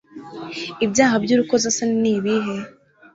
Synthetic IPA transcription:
ibjaːɦabɟuːɾukozasaniniːβiɦe̞

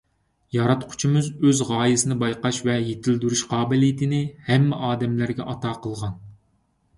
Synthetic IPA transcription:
jɑɾɑt̪qʰʊ̥t͡ʃʰimɨzøzʁɑːjɨsɨnɨbɑjqɑʃvɛjet̪ʰɪld̪yɾyʃqʰɑːbɪlijt̪ʰɪnɪhɛmːɛʔɑːd̪ɛmlæɾɡʲɛʔɑt̪ʰɑːqʰəlˠʁɑn

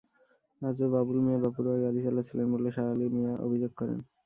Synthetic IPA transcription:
ad͡ʑobabulmiabapuɾaɡaɾit͡ɕalat͡ɕʰilenboleʃaalimijaʔo̰bʱid͡ʑoɡ̚kɔɾḛn

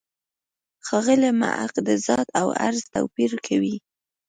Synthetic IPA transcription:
xɑɣəlema̰ʔaqd̪əzɑt̪awa̰ɾzt̪a̰wpiɾkʰawi

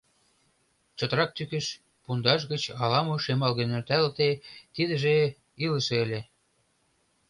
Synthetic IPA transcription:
t͡ɕɤ̆t̪əɾɑk̚t̪ykə̆ʃ | pund̪ɑʃ̬ɣə̆t͡ɕɑlɑmoʃemɑlɣenørt̪ælt̪et̪id̪ə̆ʒe | ilə̆ʃeelʲe

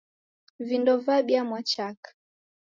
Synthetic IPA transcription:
vindɔvaɓiamwat͡ʃakḁ

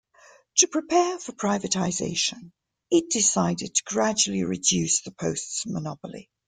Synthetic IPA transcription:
tʰəpʰɹ̥ɪpʰɛːfəpʰɹ̥aɪvətʰaɪzḛɪʃə̃n | ɪʔ̚d̥ɪsaɪdɪd̚tʰə̥ɡɹad͡ʒuəl̩ˠiɹɪ̰djʉˑsðəpʰəʊstsmənɒpəlḭ

